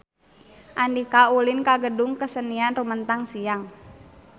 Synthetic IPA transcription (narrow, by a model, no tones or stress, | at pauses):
ʔandikaulinkaɡədʊŋkəsənianrumənt̪aŋsiaŋ